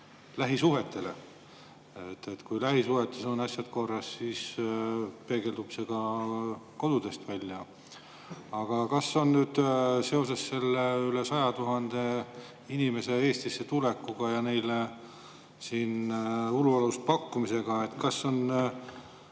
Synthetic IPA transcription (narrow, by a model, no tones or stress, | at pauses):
læɦisuɦe̞t̪ːˑe̞le̞̰ | et̪ːet̪ːkujlæɦisuɦe̞t̪ːˑesonɑsʲjɑd̪̚ko̞rːɑssiːs | pe̞ːɡe̞ld̪ub̥se̞ɡ̥ɑ | ko̞d̪̥ud̪̥e̞st̪vælʲjɑ | ɑɡ̥ɑkɑsːo̞nnyːd̪̥se̞o̞se̞sːe̞lːeyle̞sɑjɑt̪uɦɑnd̪̥e̞ | inime̞se̞e̞ːst̪isːe̞t̪ulekːˑuɡ̥ɑjɑne̞jle | siːnuluɑluspɑkːumise̞ɡ̥ɑe̞t̪ːkɑsːo̞n